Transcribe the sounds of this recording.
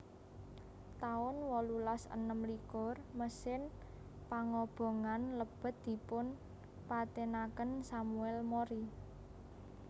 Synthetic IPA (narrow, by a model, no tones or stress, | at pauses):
t̪aʊnwɔlulasə̰nəmlikɔ̤rməsɪn | paŋɔb̥o̤ŋanləb̥ə̤t̪̚d̪̥i̤pʊn | pat̪enakənsamuɛlmoɾi